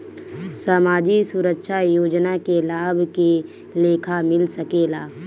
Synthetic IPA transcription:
saːmaːd͡ʒisuɾəkʃʰajoːd͡ʒnakelaːbʱke | leːkʰamɪlsəkeːlaː

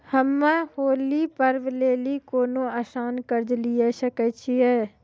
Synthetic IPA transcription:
həmːahoːlipəɾʋleːlikoːnõaːsaːnkəɾd͡ʒlijaʃəkət͡ʃʰiɛː

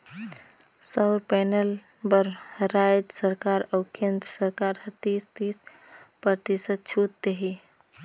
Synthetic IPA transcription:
səʊɾpɛnəl | bəɾɾajd͡ʒsəɾkaɾəʊkend̪ɾsəɾkaɾhət̪ist̪is | pəɾt̪isət͡ʃʰut̪ːeɦi

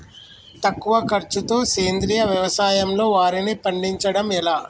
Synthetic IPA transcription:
t̪ɐkːuʋɐkɐɾt͡ʃut̪o̞ːse̞ːnd̪ɾijɐʋjɐʋɐsaːjɐmlo̞ːʋaːɾinipɐɳɖiɲt͡ʃɐɽɐmilaː

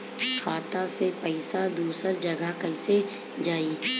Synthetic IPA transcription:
kʰaːt̪asepɛɪsad̪uːsəɾd͡ʒɐɡʱəkɐɪse | d͡ʒaːi

